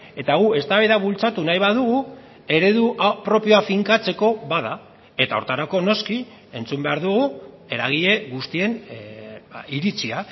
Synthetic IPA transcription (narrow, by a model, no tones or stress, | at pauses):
e̞t̪aɣ̞ue̞st̪aβeðaβult͡sat̪unajβað̞uɣ̞u | e̞ɾe̞ðuʔpɾo̞pioafiŋkat͡se̞ko̞βaða | e̞t̪aoɾt̪aɾako̞no̞ski | e̞nt͡sumbe̞aɾðuɣ̞u | e̞ɾaɣ̞iʎe̞ɣust̪ie̞n | iɾit͡sia